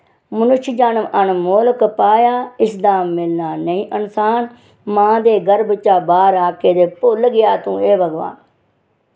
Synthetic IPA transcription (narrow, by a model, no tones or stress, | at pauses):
mənʊʃd͡ʒaːnəmənmoːlkpaːjaːɪsd̪aːmːɪlnaːnəĩːʔənsaːn | mãːd̪eːɡəɾbt͡ʃaːbaːɾaːkeːd̪eːpʊlɡɪjaːt̪ũːeːbəɡʋa̰ːn